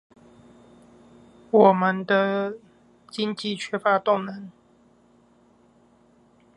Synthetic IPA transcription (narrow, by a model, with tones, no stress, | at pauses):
wɔ˨˩mə˨˦nd̪ə˧ | t͡ɕi˦ŋt͡ɕi˥˨t͡ɕʰɥɛ˥fa˧˦t̪ʊ˥˨ŋnə˨˦ŋ